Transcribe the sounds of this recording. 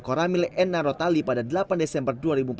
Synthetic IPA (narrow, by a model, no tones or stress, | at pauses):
koɾamilɛnːaɾot̪alipadadəlapandesɛmbərduaɾibump